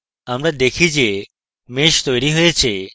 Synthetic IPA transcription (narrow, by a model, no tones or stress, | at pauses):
amɾad̪ekʰid͡ʑe | meʃt̪ojɾiɦojet͡ɕʰe